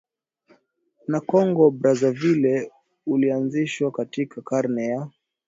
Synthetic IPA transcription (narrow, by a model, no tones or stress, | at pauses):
nakɔŋɡɔbɾazavilɛ | ulianziʃwakatikʰakaɾnɛja